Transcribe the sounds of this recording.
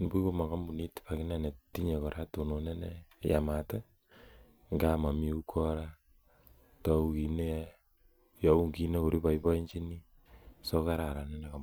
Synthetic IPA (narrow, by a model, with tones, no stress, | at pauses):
ni˨˦pu˦ko˦ma˨ɡa˦mbu˨ni˦tpa˨ki˦na˦ne˨ti˦ɲe˨kɔ˨ɾʔa˦to˨no˨ne˦ne˦ja˨ma˨tɛ˦ | ŋɡa˦ma˨mi˦u˦kʰɔ˦ɾa˦ | ta˨˦u˦ki˨ne˦ | ja˨u˦ŋɡi˦ne˦ko˨ɾi˦pa˨i˦pa˦i˦ɲt͡ʃi˦ni˦ | so˦ka˦ɾa˨ɾa˨nɛ˦ne˨ka˨